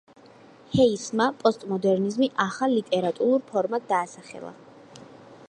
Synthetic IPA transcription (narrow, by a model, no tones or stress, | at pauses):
hɛismapʼɔst̪ʼmɔd̪ɛɾnizmiʔaχalːit̪ʼɛɾat̪ʼuɾuɾpʰɔɾmad̪̚d̪aːsaχɛ̰lˠa̰